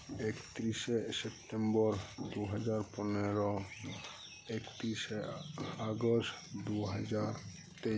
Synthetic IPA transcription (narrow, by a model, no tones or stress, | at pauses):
ekt̪ɾiʃesep̚ʈembɔɾd̪uɦad͡ʒaɾpɔneɾɔ | ekt̪ɾiʃeaɡostd̪uɦad͡ʑaɾ | t̪e